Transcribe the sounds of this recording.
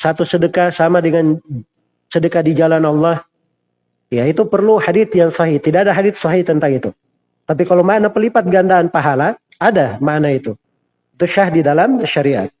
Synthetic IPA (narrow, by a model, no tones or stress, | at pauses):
sat̪usədəkasamadəŋan | sədəkadid͡ʒalanɑlːɑh | jait̪upərluhadɪθjaŋsɑɦɪht̪idaʔːdaɦadɪt̪̚sɔɦiht̪ənt̪aŋit̪u | t̪apikalawmaʔnapəlipat̪̚ɡandaːnpaɦala | adamaʔnait̪u | it̪uʃaɦdidalamʃaɾiʔa̰t̪̚